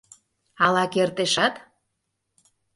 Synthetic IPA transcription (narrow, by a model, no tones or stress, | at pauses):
ɑlɑkert̪eʃɑt̪